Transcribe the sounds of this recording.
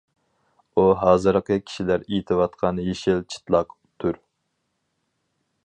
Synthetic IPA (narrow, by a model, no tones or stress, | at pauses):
uɦɑːzɨɾqəkʲʰi̥ʃilæɾit̪ʰɪwɑt̪qʰɑnjeʃɪlt͡ʃʰi̥t̪lˠɑq | t̪ʰːuɾ